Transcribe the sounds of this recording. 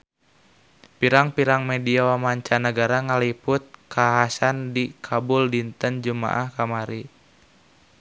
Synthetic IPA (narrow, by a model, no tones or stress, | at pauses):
piɾaŋpiɾaŋmediawamaɲt͡ʃanəɡaɾaŋalipʊt̪̚kaɦasandikʰabʊldint̪ənd͡ʒuma̰ʔahkamaɾi